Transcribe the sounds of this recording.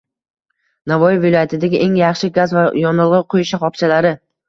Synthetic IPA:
navɒjɪvɪlˠɒjat̪ʰɪd̪aɡʲɪʔe̞ŋjɑχʃɪɡʲazvajɒnɨlˠʁɨqʰojɪʃaχɒpt͡ʃʰalaɾɪ

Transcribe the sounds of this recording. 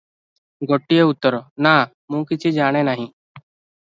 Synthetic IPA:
ɡoːʈːieːʊt̪ːəɾoːnaː | mũːkɪt͡ʃʰiːd͡ʒaːɽ̃eːnaːɦĩː

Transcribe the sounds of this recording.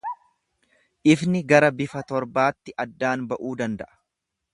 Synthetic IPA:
ʔɪfnɪɡɐɾɐbɪfɐt̪ɔɾbaːt̪ːɪʔɐd̪ːaːnbɐʔuːd̪ɐnd̪ɐʔɐ̥

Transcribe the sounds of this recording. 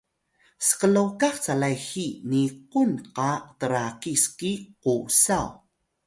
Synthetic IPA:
sə̥qəlokaχt͡salajxiniqunqatəɾaqiskiqusaw

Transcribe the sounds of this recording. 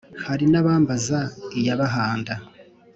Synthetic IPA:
haɾinaβaːmbazaijaβaɦaːnda

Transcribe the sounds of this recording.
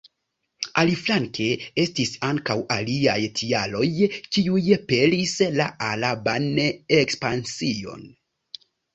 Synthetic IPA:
aliflaŋkʰe̞e̞stisaŋkawʔa̰liajtʰialo̞jkiujpe̞lislaʔalabanekspansio̞̰n

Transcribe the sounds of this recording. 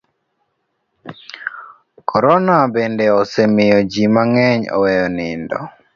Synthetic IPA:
kʰɔɾɔnabendɛɔsɛmɪjɔd͡ʒimaŋɛɲɔ̰wɛjɔnɪndɔ̰

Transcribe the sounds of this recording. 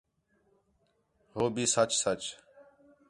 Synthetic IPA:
ɦoːbiːsət͡ʃsət͡ʃ

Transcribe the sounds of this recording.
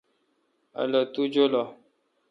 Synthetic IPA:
a̰lət̪ud͡ʒolɔ

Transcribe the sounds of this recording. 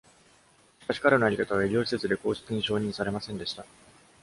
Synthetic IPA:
ɕi̥kaɕi̥kaɾe̞no̞aɾʲikat̪aβ̞aeɾʲioːɕi̥se̞t͡sɨd̪e̞ko̞ːsi̥t͡sɨɲ̟iɕo̞ːɲ̟ĩɰ̃saɾe̞masẽnd̪e̞ɕi̥t̪a

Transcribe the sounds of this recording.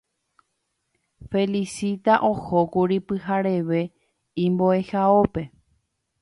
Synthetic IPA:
fe̞lisit̪aʔo̞hokuɾipɨɦaɾe̞ʋe̞ | ĩmbo̞e̞haope̞

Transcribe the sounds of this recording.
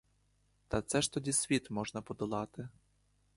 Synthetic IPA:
t̪ɐt̪sɛʃt̪ɔdʲisʲʋʲit̪mɔʒnɐpɔd̪ɔlˠɑt̪ɪ

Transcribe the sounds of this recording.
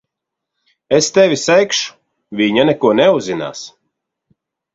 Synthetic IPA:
est̪ɛvʲisɛjkʃu̥ | vʲiɲanɛkuɔnɛuzina̰ːs

